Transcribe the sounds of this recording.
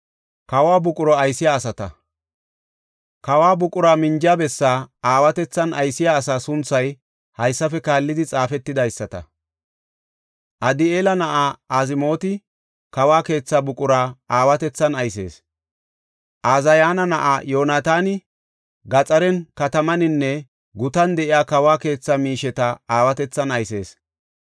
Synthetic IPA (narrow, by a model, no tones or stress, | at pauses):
kɐwaːbʊkʼʊɾɔɐjsɪjaːsɐt̪ɐ̰ | kɐwaːbʊkʼʊɾaːmɪnd͡ʒjaːbɛsːaːaːwɐt̪ɛt͡sːɐnʔɐjsɪjaːsaːsʊnt͡sːɐj | hɐjsːɐfɛkaːlːɪd̪ɪt͡sʼaːfɛt̪ːɪd̪ɐjsːɐt̪ɐ̰ | ʔɐd̪ɪeːlɐnɐʔaːaːzɪmo̞ːt̪ɪ | kɐwaːke̞ːt͡sːabʊkʼʊɾaːʔaːwɐt̪ɛt͡sːɐnɐjse̞̰ːs | ʔaːzɐjaːnɐnɐʔaːjoːnaːt̪aːnɪ | ɡɐt͡sʼɐɾɛnkɐt̪ɐmɐnɪnːɛ | ɡʊt̪ɐnd̪ɛʔɪjaːkɐwaːke̞ːt͡sːamiːʃɛt̪ɐaːwɐt̪ɛt͡sːɐnɐjse̞ːs